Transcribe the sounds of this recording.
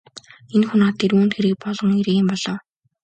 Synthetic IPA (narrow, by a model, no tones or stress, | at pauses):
enxunaːt̪ʰːiɾuːnt̪xeɾɘ̆k̚pɔɮʁɞ̆ŋiɾeɣeːmpɔɮɞ̆w